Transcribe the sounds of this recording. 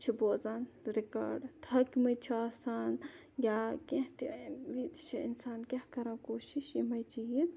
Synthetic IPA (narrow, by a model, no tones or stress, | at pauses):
t͡ʃʰiboːzaːnɾika̰ːɖt̪ʰɐkimɐjt͡ʃʰiaːsaːn | jaːkẽɦt̪iʋit͡ʃʰiḭnsaːnkʲɐhkɐɾãkoːʃiʃimɐjt͡ʃiiz